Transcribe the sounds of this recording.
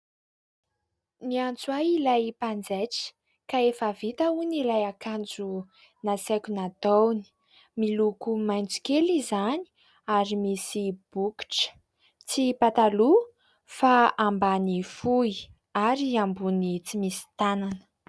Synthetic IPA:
miant͡swajilajpand͡zaʈ͡ʂə̥ | kaefavit̪aunilajakand͡zu | nasakʲunat̪owni̥ | milukumajnt͡su̥kelizani̥ | aɾimisib̥uki̥ʈ͡ʂə̥ | t͡sipat̪alu | faambanifui | aɾiambunit͡simisi̥t̪ananə̥

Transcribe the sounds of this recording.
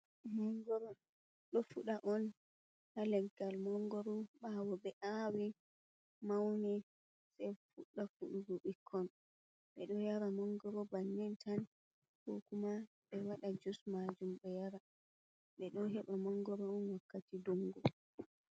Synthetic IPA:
mɔŋɡɔɾɔ | ɗɔfuɗaʔɔn | halɛɡːalmɔŋɡɔɾɔɓawɔɓɛʔawi | mawnɛ | sɛjfuɗːafuɗuɡɔɓikʰːɔn | ɓɛɗɔjaɾamɔŋɡɔɾɔbaɲːɛntʰan | kɔ̰kuma | ɓɛwaɗad͡ʒusmad͡ʒumɓɛjaɾa | ɓɛɗɔɦɛɓamɔŋɡɔɾɔːnwakːatidoŋɡɔ

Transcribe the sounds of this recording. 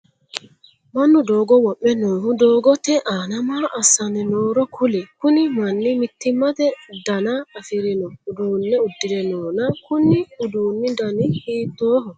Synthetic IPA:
manːudɔːɡɔwɔɓːɛnɔːhudɔːɡɔtɛʔanamaʔasanɛnɔːɾɔkʰulɛkunimanːimitːimːatɛdanaafiɾinɔudɔnːɛudːiɾɛnɔnakunːiudunːidanihiːtɔːhɔ

